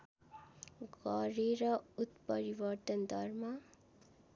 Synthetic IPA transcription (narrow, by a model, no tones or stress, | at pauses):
ɡʌɾeɾʌut̪pʌɾibʌɾt̪ʌnd̪ʱʌɾma